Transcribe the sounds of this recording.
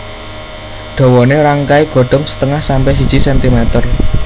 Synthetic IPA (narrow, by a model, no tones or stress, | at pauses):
ɖ̪̥ɔ̤wɔneɾaŋkaiɡ̥ɔ̤ɖ̪̥ɔ̤msə̥t̪əŋahsampɛs̬id̥ʒ̥i̤sɛnt̪imɛt̪ər